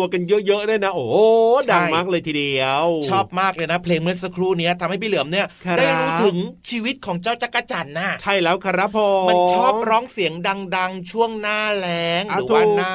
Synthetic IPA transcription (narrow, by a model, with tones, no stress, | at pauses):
u˧əka˧njɤ˦˥ʔjɤ˦˥ʔda˥˩jna˦˥ʔoː˨˩da˧˥ŋ˩jmaː˥˩k̚lɤː˧jt̪ʰi˧di˧əwt͡ɕʰɔː˥˩p̚maː˥˩k̚lɤː˧jna˦˥pʰleː˧ŋme˦˥t̪̚sa˧kʰɾuː˥˩ni˦˥ɐt̪ʰa˧mha˥˩pi˥˩lɯ˩˦əmni˦˥˩ɐaː˥˩jɾuː˦˥t̪ʰɯ˩˦ŋt͡ɕʰiː˧wi˦˥t̪̚kʰɔː˩˦ŋt͡ɕaː˥˩wt͡ɕa˧˥kːa˧t͡ɕa˨˩nːa˧˥˩t͡ɕʰa˥˩jlɛː˦˥wkʰa˧ɾa˦˥pʰɔː˧ma˧t͡ɕʰɔː˥˩p̚ɾɔː˦˥ŋsi˩˦əŋda˧ŋda˧ŋt͡ɕʰu˥˩əŋnaː˥˩lɛː˦˥ŋːʰ˧˨˦a˧nː˥˩